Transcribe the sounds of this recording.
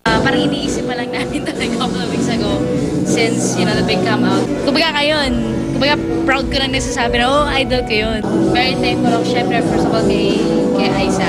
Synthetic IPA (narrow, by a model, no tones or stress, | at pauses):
ʔapaːɾɐŋʔɪniːʔiːsɪp̚pɐlɐŋnaːt̪ɪnt̪ɐlɐɡkomlɐwisɐɡo | sɪnsjɐnɐd̪ɐbɪkɐmɐkʊmbɐɡaŋɐjon | kʊmbɐɡa | pɹawd̪̚konɐŋnɐɡsaːsaːbɪnɐʔoʔajd̪olkɐjonvɛɹit̪ajmfʊlɐwʃɛmpɾɛpɛɹsɐbɐlkɐjkɐjʔajsɐ